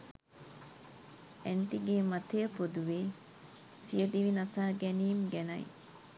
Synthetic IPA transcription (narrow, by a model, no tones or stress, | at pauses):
eɳʈiɡeːmɐt̪ejəpod̪uʋiː | sijəd̪iʋinɐsaːɡɛniːmɡænɐ̰j̰